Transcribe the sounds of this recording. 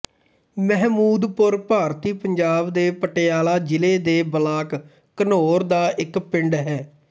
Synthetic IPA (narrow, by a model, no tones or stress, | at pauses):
mɛɦmuːd̪pʊɾpaːɾt̪iːpəɲd͡ʒaːbd̪eːpəʈeːaːlaːd͡ʒɪleːd̪eːbəlaːkː | ənoːɾd̪aːʔɪkpɪɳɖɦɛː